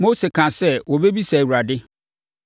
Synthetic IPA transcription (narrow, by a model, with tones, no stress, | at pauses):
mo˦se˨kʰã˨sɛ˦˨wɔ˨be˦bi˦sa˨wu˨ɾa˨dɪ˦